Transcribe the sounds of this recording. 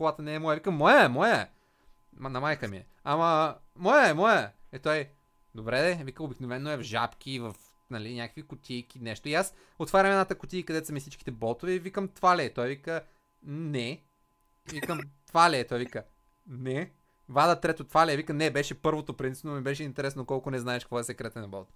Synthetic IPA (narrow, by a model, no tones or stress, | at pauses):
kolˠat̪ənɛːmɔjəvikəmɔjəmɔjə | nɐmajkəmiɛ̰ | amɐmɔjəɛmɔjəɛt̪ɔj | d̪obɾɛd̪ɛvikəobiknovɛnːoɛvʒa̰pk̟ivɐf | nɐlinʲjakəkvikʊt̪ʲʰijk̟inɛʃt̪oias | ot̪vaɾʲɐmɛd̪nat̪əkʊt̪ijkɐd̪ɛt̪sɐmifsit͡ʃk̟i̥t̪ɛbɔlˠt̪ovɛivikəmt̪valɛːt̪ɔjvikə | nɛ | vikəmt̪valɛːt̪ɔjvikə | nɛ | vad̪ət̪ɾɛt̪ot̪valɛvikənɛbɛʃɛpɤɾvot̪opɾint̪si̥pnomibɛʃɛint̪ɛɾɛsnokɔlˠkʊnɛznaɛʃkəkvɔɛsɛkɾɛt̪ɛnɐbɔlˠt̪